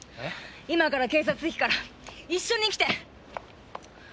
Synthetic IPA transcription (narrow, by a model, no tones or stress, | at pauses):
imakaɾake̞ːs̬at͡sɨçʲi̥kaɾaiɕːõ̞ɲ̟ikʲi̥t̪e̞